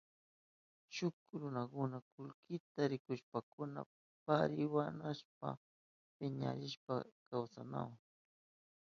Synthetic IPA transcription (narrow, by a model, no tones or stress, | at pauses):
ʃʊkɾʊnakʊnakʊlkɪt̪aɾɪkʊʃpakʊna̰ | paɾɪwanaʃp̚a̰ | pɪɲa̰ɾɪʃpakawsana̰wŋ